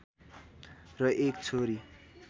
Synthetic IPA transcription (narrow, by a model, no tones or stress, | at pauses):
rʌʔekt͡sʰoɾi